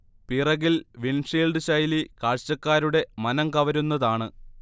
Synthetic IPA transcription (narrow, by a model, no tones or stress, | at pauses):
pirɐɣilʋinʂeːlɖɨɕɐjlikaːɻt͡ɕːɐkːaːɾuɽe̞mɐnɐŋkɐʋɐɾunːɐðaːɳɨ